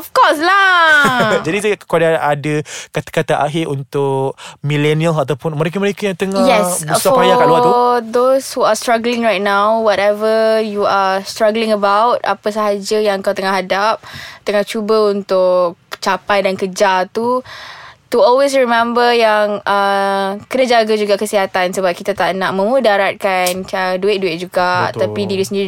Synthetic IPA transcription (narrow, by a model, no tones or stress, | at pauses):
ɔfkɔsla | d͡ʒadikadaadəkat̪ḁkat̪aʔaɦɪɾunt̪ʊk̚milɛnialat̪awpʊnməɾekaməɾekajaŋt̪əŋajɛsbsaɔpajakaat̪ud̪oshuastɾaɡlɪ̃ŋɹajt̚nãwwɔtɛvəjuastɾaɡlɪ̃ŋəbawt̚a̰pəsaɦad͡ʒəjaŋkawt̪əŋaɦadap̚t̪əŋaht͡ʃubəunt̪ʊk̚t͡ʃapajdankəd͡ʒalt̪u | tuɔlwes̬ɹimɛ̃mbəjaŋʔəkənãd͡ʒaɡad͡ʒuɡaʔkəsiɦat̪ansəbap̚kit̪at̪aʔnaʔmə̃mudaɾat̪̚kanəduɪʔ̚duɪt̚d͡ʒuɡaʔt̪apidiɾisəni